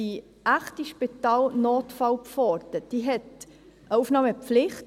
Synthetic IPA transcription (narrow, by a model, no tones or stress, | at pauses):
i | ʔæχtiʃpitɑːlnoːtfɑʊpfɔɾdəd̥iɦɛt | ʔəufnɑːməpflɪχt